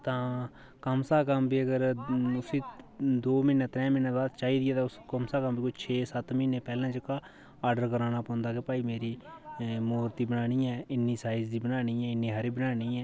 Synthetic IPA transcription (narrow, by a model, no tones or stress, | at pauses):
t̪ãː | kəmsaːkəmbiːəɡəɾʊsiːd̪oːmɪnaːt̪ɾɛ̃ːmɪnaːbaːd̪t͡ʃaːiːd̪ɪjɛːt̪ãːʊskəmsaːkəmbiːkʊt͡ʃʰeːsət̪mɪːneːpɛːlãːd͡ʒəkaː | aːɖəɾkəɾaːnaːpõːnd̪aːkepaːiːmeːɾiːmoːɾt̪iːbənaːniːɛːɪnːiːsaːɪd͡ʒd̪iːbənaːniːɛːɪnːiːɦaɾiːbənaːniːɛː